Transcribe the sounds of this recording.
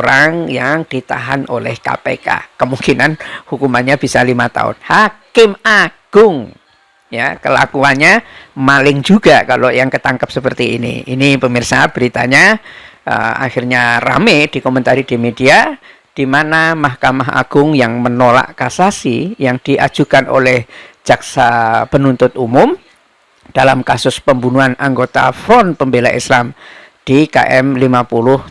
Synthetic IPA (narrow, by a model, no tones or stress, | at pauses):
ɾaŋjaŋd̥it̪a̰ɦanolɛ̰hka̰pḛka̰kəmuŋkinanhukumanɲab̥isalimat̪a̰ʊ̰nhakɪmaɡ̥ʊŋ | jakəla̰kuanɲamalɪŋd͡ʒuɡ̥akalojaŋkət̪aŋkəp̚səpərt̪iinḭinipəmirsab̥əɾit̪a̰ɲaʔə̰a̰hirɲara̰med̥ikomənt̪aɾid̥imedia | d̥imanamahkamaɦa̰ɡ̥ʊŋjaŋmənola̰ʔkasasijaŋd̥iʔa̰̥d͡ʒ̥ukanʔo̰lɛhd͡ʒ̥aksapənunt̪ʊt̪̚umʊm | d̥alamkasʊspəmbunuanaŋɡot̪a̰fɾɔnpəmbela̰ʔḭslam | d̥ika̰ʔɛmlimapulʊh